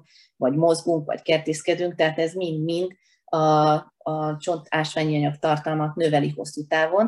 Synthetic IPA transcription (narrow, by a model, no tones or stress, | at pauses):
vɒɟmo̞zɡuŋkʋɒ̰ckɛrt̪eːskɛd̪yŋkt̪ɛɦːt̪ɛzmind̪mind̪ | ɒ | ɒt͡ʃo̞nt̪aːʃʋaːɲiɒɲɒkt̪ɒrt̪ɒlmɒt̪nøvɛliho̞sːut̪aːvo̞n